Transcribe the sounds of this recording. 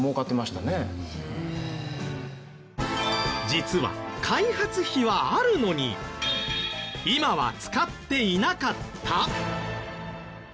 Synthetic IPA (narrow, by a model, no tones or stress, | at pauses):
moːkat̪ːe̞maɕi̥t̪ane | d͡ʑit͡sɨβa̰kʰaihat͡sɨçiβaaɾɯ̟no̞ɲ̟ḭ | imaβa̰t͡sɨ̥kat̪ːe̞inakat̪ʰːa